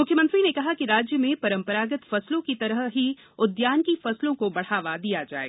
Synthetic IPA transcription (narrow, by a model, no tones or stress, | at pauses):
mʊkʰjəmə̃nt̪ɾinekɐɦakiɾaːd͡ʒjəmẽpɐɾə̃mpəɾaːɡɪt̪fɐslõkit̪ɐɾəɦɦi | ʊd̪jaːnkifɐslõkobɐɽ̤aːʋad̪ijad͡ʒa̰ːḛɡaː